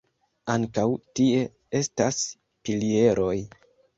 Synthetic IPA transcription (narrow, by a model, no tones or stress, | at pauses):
aŋkawtie̞ | e̞stas | pilie̞ɾʔo̞j